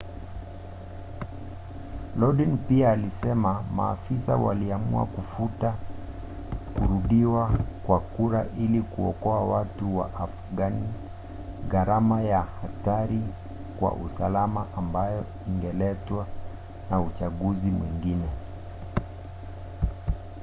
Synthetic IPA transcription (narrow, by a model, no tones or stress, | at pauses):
lɔɗinpiaːlisɛmama̰ːfisa̰wa̰liamṵa̰kufuta | kuɾuɗiwakwakuɾaʔilikuɔ̰kɔawatuwa̰ʔafuɡani | ɣaɾamajahataɾi | kwa̰ʔusalamaʔambajɔ | iŋɡɛlɛtwa | naut͡ʃaɠuzimwiŋɡinɛ